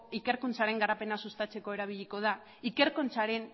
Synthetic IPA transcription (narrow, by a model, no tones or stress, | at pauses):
ike̞ɾkunt͡saɾe̞ŋɡaɾape̞nasust̪at͡se̞ko̞e̞ɾaβ̞iʎiko̞ð̞a | ike̞ɾkont͡saɾe̞n